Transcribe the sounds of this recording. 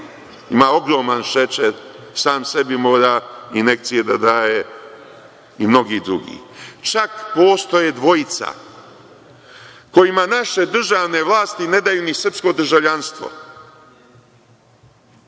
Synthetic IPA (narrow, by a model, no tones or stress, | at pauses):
imaːo̞ɡɾo̞ːmanʃet͡ʃe | saːmse̞bimo̞ːɾaːine̞k̚t̪sije̞d̪ad̪aːje | imno̞ɡiːd̪ɾuɡḭːt͡ʃakpoːst̪o̞jed̪ʋo̞jit̪sa̰ | ko̞jimanaʃe̞d̪r̩ʒaːʋne̞ʋlˠaːst̪ine̞d̪ajunisr̩psko̞d̪r̩ʒaʋʎanst̪ʋo̰